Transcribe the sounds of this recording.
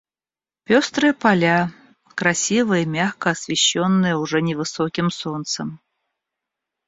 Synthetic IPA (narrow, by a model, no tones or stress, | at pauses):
pʲɔst̪ɾɨjɐpalʲa | kɾasʲivɨjɐimʲaxkɐːsʲvʲɛɕːɔnːɨjɛwʐɛnʲɛvɨsɔkʲimsɔnt̪sɐm